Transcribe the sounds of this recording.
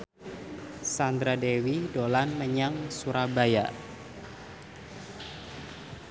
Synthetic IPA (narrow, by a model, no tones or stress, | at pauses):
sand̪ɾadewidolanməɲaŋsuɾabaja̰